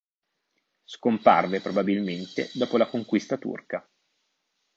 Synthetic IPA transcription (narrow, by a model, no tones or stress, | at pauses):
skompa̰rvepɾobabilment̪ḛd̪ɔːpolakoŋkwist̪at̪ṵrka